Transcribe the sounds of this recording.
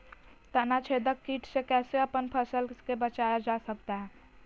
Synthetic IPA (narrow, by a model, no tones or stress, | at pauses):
t̪ənat͡ʃʰeːd̪əkːiːʈʰsekɛːseəpənpʰəsəlkebət͡ʃaːjad͡ʒaːsək̚t̪aɦɛː